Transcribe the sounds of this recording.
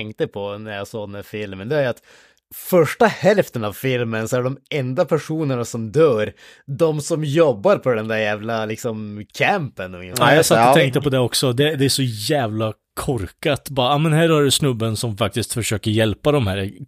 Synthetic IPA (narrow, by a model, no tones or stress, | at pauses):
ɛŋkt̪əpʰɔnæɾjaːsɑːd̪nɛfɪlmənd̪ɛæɾat̪ | fœʂʈahɛlft̪ənavfɪlmənsɔæɖɛɖ̪ɔmɛnd̪apʰæʂuːnəɳasɔmd̪œːɾ | d̪ɔmsɔmjɔbːaɾpʰɔd̪ɛnd̪æɾjæːvlalɪksɔmkʰæmpənɔaːjɑːsat̪ːɔɛŋkt̪əpɔd̪ɛɔksɔd̪ɛd̪ɛæʂɔjæːvla | kʰɔɾkat̪bɑːɾaaːmɛnhæːɾhæɖʉsnɵbːənsɔmfak̚t̪ɪst̪fœʂøːkəɾjɛlpad̪ɔmhæːɾ